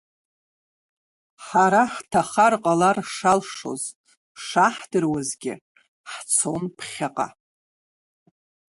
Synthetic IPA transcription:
ħaɾaħtʰaχarqʼalarʂalʂo̞̰z | ʂaħdɨrwazɡʲɪ̰ | ħt͡sʰo̞npʰχʲaqʼa̰

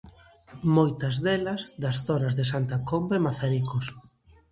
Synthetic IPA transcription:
mojt̪ɐzðelɐzd̪ɐsθɔnɐzðesant̪ɐkombemaθaɾikos

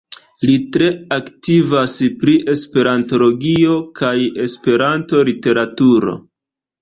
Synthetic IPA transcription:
litɾe̞aktivaspɾiʔe̞spe̞ɾanto̞lo̞ɡio̞kʰaje̞spe̞ɾanto̞lite̞ɾatuɾo̞̰

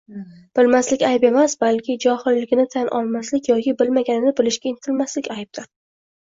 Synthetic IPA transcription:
b̥ɪlmaslɪkʲajpe̞masbalkʲɪd͡ʒɒhɪlːɪɡʲɪnɪt̪ʰanʔɒ̰lˠmaslɪkʲjɒkʲʰɪbɪlmaɡʲanɪnɪbɪlɪʃkʲaɪnt̪ʰɪlmaslɪkʲajp̚d̪ɪɾ

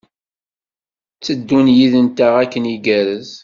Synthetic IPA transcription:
t͡sːəd̪ːunjiðənt̪aʁækːəniɡæɾəz

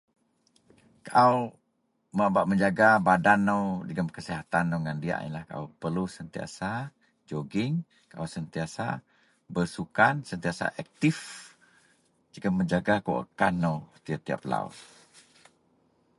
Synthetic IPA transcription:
kaʔaw | məbaʔməɲd͡ʒaɡabadanːəwd͡ʒəɡəmkəsiɦat̪anːowŋandia̰ʔḭnlahkaʔowpəlusənt̪ia̰sa | d͡ʒoɡɪŋ | kaʔawsənt̪iasa̰ | bərsukansənt̪iasa̰ʔɛk̚t̪if | d͡ʒəɡəmːəɲd͡ʒaɡako̰ʔə̰kanːowt̪iat̪ia̰p̚la̰ṵt

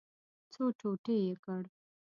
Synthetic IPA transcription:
t͡soʈoʈejekəɽ

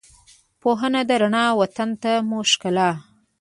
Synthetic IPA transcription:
poɦənad̪əɾaɳɑwat̪ant̪amuʃkalɑ

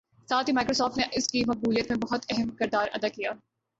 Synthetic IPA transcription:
saːt̪ʰimaːɪkɾoːsɔːfʈneʔɪskimɐq̚buːlijət̪mẽbɐɦʊt̪ɛɦɛmkɪɾd̪aːɾʔɐ̰d̪aːkijaː

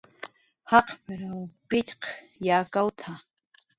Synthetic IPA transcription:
hɑqpɪɾawpɪtq | jaːkawt̪ʰa

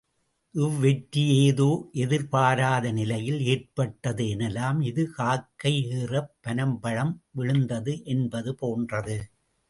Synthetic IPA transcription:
ʔɯʋːɛʈːɪjeːðoːʔɛðɪɾpaːɾaːðɐnɪlɐjɪleːrpɐʈːɐðɯɛnɛlːaːmɪðɯkaːkːɐɪeːrɐpːɐnɐmbɐɻɐmʋɪɻɯnd̪ɐðɯʔɛnbɐðɯpoːndrɐðɯ

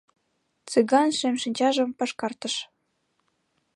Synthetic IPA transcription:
t͡sɨɣɑnʃemʃinʲt͡ɕɑʒə̆mpɑʃkɑrt̪ə̆ʃ

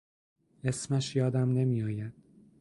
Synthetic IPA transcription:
esmæʃjɒːd̪æmne̞mijɒːjæd̪̥

